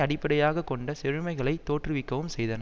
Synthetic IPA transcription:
ɐɽɪpːɐɽɐjaːɣɐkːɔɳɖɐsɛɻɯmɐɪɣɐɭɐɪt̪ːoːʈrɯʋɪkːɐʋɯmsɛjðɐnɐ

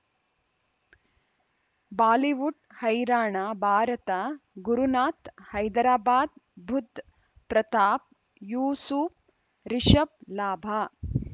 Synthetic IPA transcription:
baːliʋuʈ | hɐjɾaːɳaːbʱaːɾɐt̪ɐɡuɾunaːt̪hɐjd̪ɾaːbaːd̪̚bʱud̪ʱ | pɾɐt̪aːp̚ | juːsuːp̚ | ɾiʂɐp̚laːbʱaː

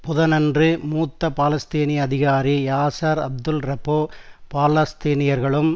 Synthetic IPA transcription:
pʊðɐnɐndrɯmuːt̪ːɐpaːlɐst̪iːniɐðɪɣaːɾijaːsaːɾɐ̰b̚d̪ɯlɾɐpoːpaːlɐst̪iːnɪjɐɾɣɐɭɯm

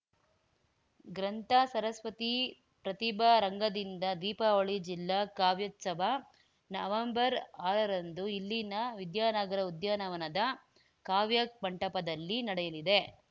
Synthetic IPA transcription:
ɡɾɐnt̪aːsɐɾɐsʋɐt̪i | pɾɐt̪ibɐɾɐŋɡɐd̪ind̪ɐd̪iːpɐoɭid͡ʒilːaːkaːʋjɐt̪sɐbʱa | nɐʋɐmbɐɾaːɾɐɾɐnd̪uilːinɐʋid̪jaːnɐɡɐɾɐud̪jaːnɐʋɐnɐd̪ɐ | kaːʋjɐk̚bɐɳʈɐpɐd̪ɐlːinɐɽɛjɐlid̪e̞

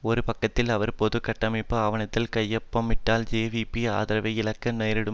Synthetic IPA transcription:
ɔɾɯpɐkːɐt̪ːɪlɐʋɐɾpoːðɯkɐʈːɐmɪpːɐɐʋɐnɐt̪ːɪlkɐjːɐpːɐmːɪʈːaːld͡ʒeːʋiːpia̰ːðɪɾɐʋɐɪɪlɐkːɐneːɾɪɽɯ

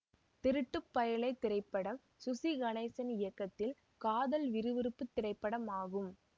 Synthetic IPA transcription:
t̪ɪɾɯʈːɯpːɐjɐɭɐɪt̪ːɪɾɐɪpːɐɽɐm | sʊsiɣɐɳɐɪsɐnɪjɐkːɐt̪ːɪl | kaːðɐlʋɪɾɯʋɪɾɯpːɯt̪ːɪɾɐɪpːɐɽɐmaːɣɯm

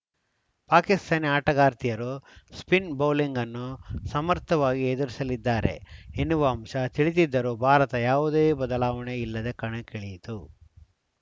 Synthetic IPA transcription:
paːkist̪ʰaːniaːʈɐɡaːɾt̪ijɐɾuspinbɐwliŋɡɐnːusɐmɐɾt̪ʰːɐʋaːɡied̪uɾisɐlid̪ːaːɾe̞̰enːuʋɐɐmʃɐt̪iɭit̪̬id̪ːɐɾubʱaːɾɐt̪ɐjaːʋud̪eːbɐd̪ɐlaːʋɐɳeilːɐd̪e̞kɐɳekeɭijit̪u

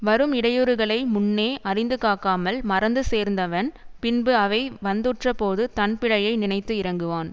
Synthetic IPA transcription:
ʋɐɾɯmɪɽɐjoːɾɯɣɐɭɐɪmʊnːeːʔɐrɪnd̪ɯkaːkaːmɐlmɐɾɐnd̪ɯseːɾnd̪ɐʋɐnpɪnbɯɐʋɐɪʋɐnd̪ɯʈrɐpoːðɯt̪ɐnpɪɭɐjɐɪnɪnɐɪt̪ːɯɪɾɐŋɡɯʋaːn

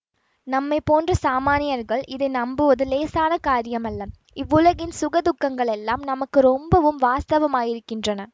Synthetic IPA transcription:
nɐmːɐɪpoːndrɐsaːmaːnɪjɐɾɣɐɭʔɪðɐɪnɐmbɯʋɐðɯleːsaːnɐkaːɾɪjɐmɐlːɐ | ɪʋːɯlɐɣɪnsʊɣɐd̪ʊkːɐŋɡɐɭɛlːaːmnɐmɐkːɯɾɔmbɐʋɯmʋaːst̪ɐʋɐmaːjɪɾɯkːɪndrɐnɐ

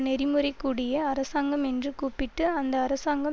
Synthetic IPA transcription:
nɛɾɪmɯɾɐɪkːuːɽɪjɐːɾɐsaːŋɡɐmɛndrɯkuːpːɪʈːɯɐnd̪ɐːɾɐsaːŋɡɐ

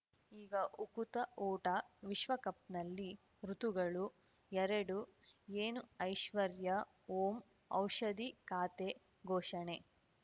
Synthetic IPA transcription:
iːɡɐʔukut̪ɐʔoːʈɐʋiʃʋɐkɐp̚nɐlːi | ɾut̪uɡɐɭu | ɛɾɐɽueːnuɐjʃʋɐɾjɐ | oːm | ɐ̰wʂɐd̪ikaːt̪e | ɡʱɔːʂɐɳe

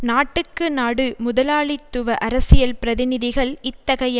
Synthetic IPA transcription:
naːʈːɯkːɯnaːɽɯmʊðɐlaːɭɪt̪ːʊʋɐʔɐɾɐsɪjɐlpɪɾɐðɪnɪðɪɣɐɭɪt̪ːɐɣɐj

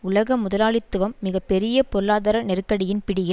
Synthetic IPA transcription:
ʊlɐɣɐmʊðɐlaːɭɪt̪ːɯʋɐmːɪɣɐpːɛɾɪjɐpɔɾɯlaːðɐɾɐnɛɾɯkːɐɽɪjɪnpɪɽɪjɪ

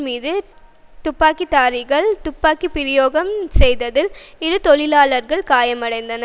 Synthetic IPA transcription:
miːðɯ | t̪ʊpːaːkit̪aːɾɪɣɐɭt̪ʊpːaːkipɪɾɪjoːɣɐmsɛjðɐðɪlɪðɯt̪ɔɭɪlaːlɐɾɣɐɭkaːjɐmɐɽɐɪnd̪ɐnɐ

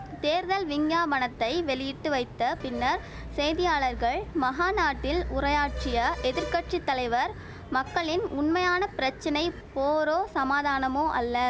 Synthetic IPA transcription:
t̪eːɾðɐlʋɪŋɡaːmɐɳɐt̪ːɐɪʋɛɭɪjɪʈːɯʋɐɪt̪ːɐpɪnːɐɾ | sɛjðɪjaːɭɐɾɣɐɭmɐɦaːnaːʈːɪlʊrɐjaːʈ̚t͡ʃɪjɐʔɛðɪɾkɐʈt͡ʃit̪ːɐlɐɪʋɐɾ | mɐkːɐɭɪnʊɳmɐjaːnɐpɪɾɐt͡ʃːɐnɐɪpoːɾoːsɐmaːðaːnɐmoːʔɐlːɐ

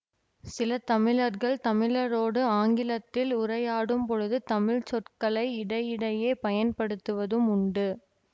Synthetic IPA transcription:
sɪlɐt̪ɐmɪɻɐɾɣɐɭt̪ɐmɪlɐɾoːɽɯaːŋɡɪlɐt̪ːɪlʊrɐjaːɽɯmpɔɻɯðɯt̪ɐmɪɻt͡ʃɔrkɐɭɐɪɪɽɐjɪɽɐjeːpɐjɐnpɐɽɯt̪ːɯʋɐðɯmʊɳɖɯ

